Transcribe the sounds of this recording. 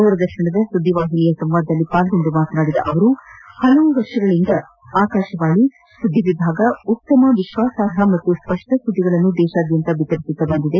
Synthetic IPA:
uːɾɐd̪ɐɾʃɐɳɐd̪ɐsud̪ʱːiʋaːɦilijɐsɐmʋaːd̪ːɐlːipaːlɡond̪umaːt̪naːɽid̪ɐ̰ʔɐʋɐɾuhɐlɐʋuʋɐɾʂɐɡɐɭind̪ɐ | aːkaːʃɐʋaːɡi | sud̪ːiʋibʱaːɡɐut̪ːɐmɐʋiʃʋaːsaːɾɐmɐt̪ːuspɐʂʈɐsud̪iɡɐɭɐnːud̪ɛːʃaːd̪jɐnt̪ɐbit̪ɐɾisit̪ːɐbɐnd̪id̪e̞

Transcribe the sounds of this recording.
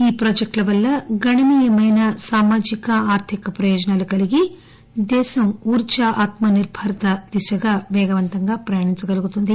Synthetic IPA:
iːpɾoːd͡ʒɐk̚ʈɐʋɐlːɐɡɐɳɐniːjɐmɐjnɐsaːmaːd͡ʒikɐaːɾt̪ʰikɐpɾɐjoːd͡ʒɐnaːlukɐliɡi | d̪ɛːsɐmuːɾt͡ʃɐʔaːt̪mɐniɾbʱɐɾɐt̪ɐd̪̥isɐɡaʋɛːɡɐʋɐnt̪ɐŋɡaːpɾɐjaːɳiɲt͡ʃɐɡɐluɡut̪und̪i

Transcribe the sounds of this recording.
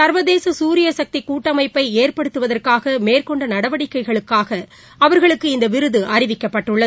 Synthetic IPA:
sɐɾʋɐðeːsɐsuːɾɪjɐsɐk̚t̪ikuːʈːɐmɐɪpːɐɪeːrpɐɽɯt̪ːɯʋɐðɐrkaːɣɐmeːrkɔɳɖɐnɐɽɐʋɐɽɪkːɐɪɣɐɭɯkːaːɣɐ | ɐʋɐɾɣɐɭɯkːɯɪnd̪ɐʋɪɾɯðɯʔɐɾɪʋɪkːɐpːɐʈːɯɭːɐð

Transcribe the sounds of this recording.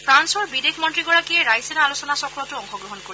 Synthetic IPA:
fʰɾansoɹbidekʰmɔntɹiɡɔɽakieɾajsenaalosonasɔkɾotuɔŋxoɡɹoɦonkoɾi

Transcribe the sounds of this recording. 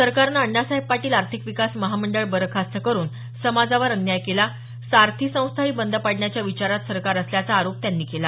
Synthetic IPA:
səɾkaɾnaəɳːasaɦepːaʈiːlaɾt̪ʰikʋikasməɦaməɳɖəɭbəɾkʰast̪əkəɾuːn | səmad͡zaʋəɾənːjajkela | saɾt̪ʰisə̃w̃st̪ʰaiːbənd̪ʱəpaɽɳjat͡ɕjaʋit͡ɕaɾat̪səɾkaɾəsljat͡saːɾop̚t̪janːiːkela

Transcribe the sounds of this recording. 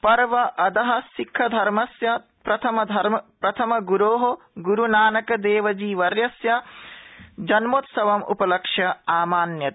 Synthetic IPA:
pɐɾʋɐʔɐd̪ɐɦɐsikʰːɐd̪ʱɐɾmɐsjɐ | pɾɐt̪ʰɐmɐd̪ʱɐɾmɐpɾɐt̪ʰɐmɐɡuɾoːɦo | ɡuɾunaːnɐkɐd̪eːʋɐd͡ʒiːʋɐɾjɐsjɐ | d͡ʒɐnmoːt̪sɐʋɐmṵpɐlɐkʂjɐaːmaːnjɐt̪

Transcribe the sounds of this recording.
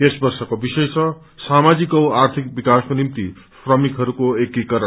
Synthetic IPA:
esbʌrsʌkobisʌjt͡sʰʌ | samad͡zikoart̪ʰik̚bikaskonimt̪i | fpʰrʌmikɦʌɾukoekːikʌɾʌ

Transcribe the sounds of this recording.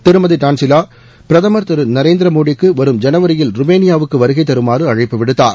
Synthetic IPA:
t̪ɪɾɯmɐðiʈaːnsɪlaː | pɪɾɐðɐmɐɾt̪ɪɾɯnɐɾeːnd̪ɪɾɐmoːɽɪkːɯʋɐɾɯmd͡ʒɐnɐʋɐɾɪjɪlɾʊmeːnɪjaːʋɯkːɯʋɐɾɯɣɐɪt̪̬ːɐɾɯmaːrɯɐɻɐɪpːɯʋɪɽɯt̪ːaːɾ

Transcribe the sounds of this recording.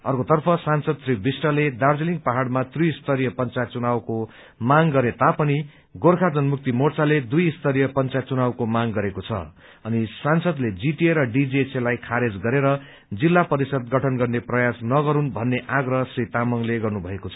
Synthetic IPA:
ʌrkot̪ʌrpʰʌsansʌd̪sribisʈʌled̪ard͡ziliŋɡpaɦaɽmat̪rijːst̪ʌɾijʌpʌnt͡sat͡sunawko | maŋɡʌɾet̪apʌni | ɡorkʰad͡zʌnmuk̚t̪imort͡saled̪ujist̪ʌɾijʌpʌnt͡sat͡sunawkomaŋɡʌɾekot͡sʰʌ̰ | ʌnisansʌd̪led͡ziʈieɾʌɖid͡ziselajkʰaɾed͡zɡʌɾeɾʌ | d͡zilːapʌɾisʌd̪ɡʌʈʰʌnɡʌrneprʌjasnʌɡʌɾunbʱʌnːeʔaɡrʌsrit̪amʌŋleɡʌrnubʱʌekot͡sʰʌ

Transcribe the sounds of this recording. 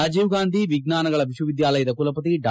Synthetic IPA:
aːd͡ʒiːʋɡaːnd̪ʱiʋiɡnaːnɐɡɐɭɐʋiʃuʋid̪jaːlɐjɐd̪ɐkulɐpɐt̪iɖ

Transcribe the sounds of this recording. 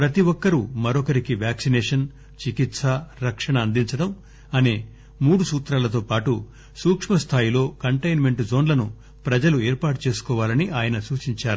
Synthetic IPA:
pɾɐt̪iʋɔkːɐɾumɐɾɔkɐɾikiʋjaːksineːʂɐn | t͡ʃikit̪sɐɾɐkʂɐɳɐːnd̪iɲt͡ʃɐɽɐm | ɐneː | muːɽusuːt̪ɾaːlɐt̪o̞ːpaːʈu | suːkʂmɐst̪ʰaːjilo̞ːkɐɳʈɐjnme̞ɳʈzo̞ːnlɐnu | pɾɐd͡ʒɐlueːɾpaːʈut͡ʃe̞ːsu̥kɔːʋaːlɐniʔaːjɐnɐsuːt͡ʃiɲt͡ʃaːɾu

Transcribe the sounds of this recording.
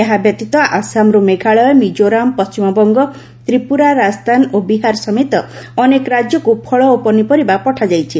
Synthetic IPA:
aɦabjɔt̪it̪ɔʔasamɾumeɡʱaɭɔemid͡ʒoɾampɔst͡ʃimɔbɔŋɡɔ | t̪ɾipuɾaɾad͡ʒd̪ʰʱanobiɦaɾɔsɔmet̪ɔːnekɔɾad͡ʒjɔkupʰɔɭɔopɔnipɔɾibapɔʈʰad͡ʒajt͡ʃʰi

